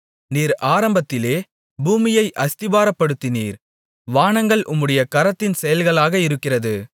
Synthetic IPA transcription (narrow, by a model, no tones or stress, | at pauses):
niːɾaːɾɐmbɐt̪ːɪleː | buːmɪjɐɪʔɐst̪ɪbaːɾɐpːɐɽɯt̪ːɪniːɾ | ʋaːɳɐŋɡɐɭʔʊmːɯɽɐjɐkɐɾɐt̪ːɪnsɛjɐlɣɐɭaːɣɐɪɾɯkːɪrɐðɯ